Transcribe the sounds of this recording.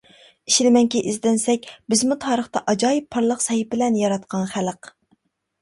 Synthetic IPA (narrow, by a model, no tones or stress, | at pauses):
iʃlɪmɛŋkʲiʔizd̪ɪnsɛkʲbɪzmut̪ʰɑːɾəχt̪ɑʔɑd͡ʒɑːjipʰːɑɾlˠəqsɛhip̚ɪlɛnjɑɾɑt̪qʰɑnχæləq